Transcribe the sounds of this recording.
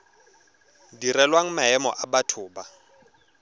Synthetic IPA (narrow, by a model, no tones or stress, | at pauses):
dirɛlwaŋ̩maɛmɔ̰ʔabatʰʊːba